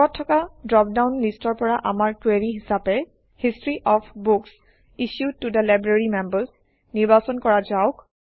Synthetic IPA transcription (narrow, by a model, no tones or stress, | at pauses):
ɔtʰːɔkadɹɔp̚dawnlistɔɹpɔɹaʔamaɹtweɹiɦisapɛ | histɹiʔɔpʰbuks | iʃjud̚tudəlajbɹaɹimɛmbəs | niɹbasɔnkɔɹazaʊk